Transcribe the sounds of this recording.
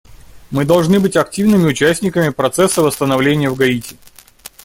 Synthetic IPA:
mɨd̪ɐlˠʐnɨbɨtʲɐk̚tʲivnɨmʲɪʊt͡ɕæsʲtʲnʲɪkəmʲɪpɾɐt̪sɛsːəvəst̪ənɐvlʲenʲɪjəvɡɐitʲɪ̥

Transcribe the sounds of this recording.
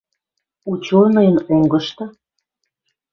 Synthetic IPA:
ut͡ɕonəjənoŋɡəʃt̪ɤ

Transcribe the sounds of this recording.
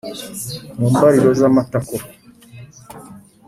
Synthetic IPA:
muːmbaɾiɾozamatako

